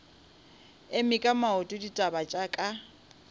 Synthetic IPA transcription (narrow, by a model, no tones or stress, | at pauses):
ɪmɪkʼamaʊtʼʊditʼabat͡ʃʼakʼa